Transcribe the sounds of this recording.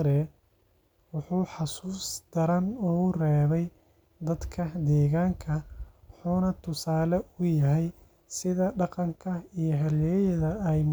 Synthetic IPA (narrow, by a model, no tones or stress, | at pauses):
ɾɛ | wɑħuːħɑsuːsd̪̥ɐɾɐnɔːʊrɛːβɛj | d̪ɐd̪kʰɐd̪ɛːɣaːŋkʰɐħuːnɐt̪ʰʊsaːlɛʊjɐɦɛj | sɪðɐɖɑqɑŋkʰɐijɞɦɐljɛːjɐðɐːjm